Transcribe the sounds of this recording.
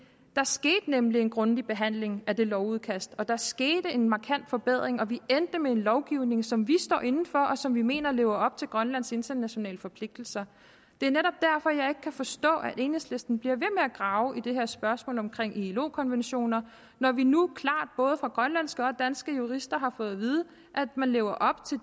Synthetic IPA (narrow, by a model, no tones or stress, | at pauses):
d̥ɑ̈sɡ̥e̝̰ːd̥nemlie̝nɡ̥ʁɔ̽nd̥ib̥e̝ɦæn̰le̝ŋæd̥e̝lɒʊuð̞ˠkʰæsd̥ɒ̽d̥ɑ̈sɡ̥e̝ːd̥əe̝nmɑ̈kʰæn̰d̥fɒ̽b̥eð̞̰ˠʁeŋɒ̽ʋiend̥əmee̝nlɒʊɡ̥iʊne̝ŋsɒ̽mʋisd̥ɒ̰ːʔe̝nn̩fɒ̽ʔɒ̽sɒ̽mʋime̝̰ːnɐle̝ːʊɐɒ̽b̥̚t͡sʰe̝lɡ̥ʁɶnlæn̰se̝nt͡sɐnæɕo̝nɛ̰ːləfɒ̽pʰle̝ɡ̥̚d̥l̩sɐ | d̥e̝æɐneɾɒ̽b̥̚d̥æɐfɒ̽jɑ̈ɪe̝ɡ̥ə̥kʰæfɒ̽sd̥ɔ̰̽ːæʔe̝ːnhesle̝sd̥n̩b̥liɐ̰ʋe̝meæɡ̥ʁɑ̈ʊʔid̥e̝ɦeɐsb̥ɶɐsmɔ̰̽ːlɒ̽mkʰʁeŋ̰ʔilo̝̰ːkʰɒ̽nʋenɕo̝̰ːnɐ | nɒʋinukʰlɑ̰̈ːd̥̚b̥ɔ̽ːð̞ˠəfʁɑ̈ɡ̥ʁɶnlænsɡ̥əɒ̽d̥ænsɡ̥əjuʁisd̥ɐɦɑ̈fɔ̽ːð̞̩ˠʋiːð̞ˠə | ʔæd̥mænle̝ːʊɐʔɒ̽b̥̚t͡sʰe̝